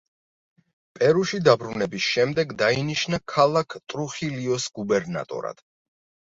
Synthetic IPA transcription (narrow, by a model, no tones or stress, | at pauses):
pʼɛɾuʃid̪abɾunɛbisʃɛmd̪ɛɡd̪ainiʃnakʰalˠakʰt̪ʼɾuχiliɔsɡ̥ubɛɾna̰t̪ʼɔ̰ɾa̰d̪̥